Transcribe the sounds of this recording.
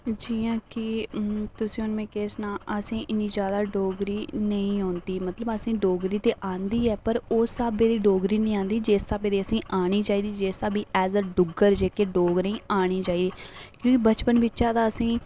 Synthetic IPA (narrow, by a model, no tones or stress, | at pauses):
d͡ʒiːãːkɪt̪ʊsĩːʊnmẽːkeːsnãːʔəsĩːʔɪniːd͡ʒjaːd̪aːɖoːɡɾiːnəĩːɦoːnd̪iːmət̪ləbəsĩːɖoːɡɾiːt̪eːʔãːnd̪iːɛːpəɾoːsaːbeːd̪iːɖoːɡɾiːnĩːãːnd̪iːd͡ʒeːsaːbeːd̪iːəsĩːʔaːɽ̃iːt͡ʃaːiːd̪iːd͡ʒeːsaːbiːʔɛːzɖʊɡəɾd͡ʒeːkeːɖoːɡnəĩːaːɽ̃iːt͡ʃaːiːd̪iːkjõːkɪbət͡ʃpənbɪt͡ʃːʃãːd̪aːəsĩː